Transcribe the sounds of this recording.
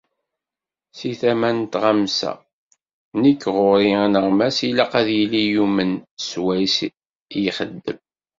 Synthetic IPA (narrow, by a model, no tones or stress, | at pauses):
siθæmænt̪ʁamsæ̰ | nikːʁʊɾinəʁmæsilæqæðjilijumənswæs | jiχəd̪ːəm